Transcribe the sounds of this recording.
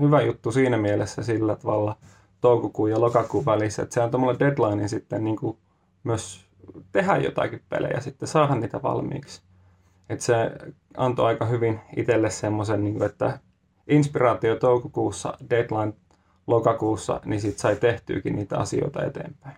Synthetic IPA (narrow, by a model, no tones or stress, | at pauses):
hyʋæjut̪ːusiːnæmielesːæsilːæt̪ɑʋɑlːɑ | t̪oukokuːjɑlokɑkuːʋʋælisːæḛt̪seɑnt̪omolːeded̪lɑininsit̪ːenniːŋku | myøs | t̪ehæjjo̰t̪ɑ̰kippḛlḛjɑ̰sit̪ːesɑːhɑnniːt̪æʋɑ̰lmḭːks | et̪se | ɑnt̪o̰ɑikɑhyʋinit̪elːessemːosenniːŋkuet̪ːæ | inspirɑːt̪iot̪oukokuːsːɑ̰ded̪lɑin | lokɑkuːsːɑ̰nisit̪sɑit̪eht̪y̰ːkinniːt̪æɑ̰sio̰it̪ɑḛt̪ḛːmpæin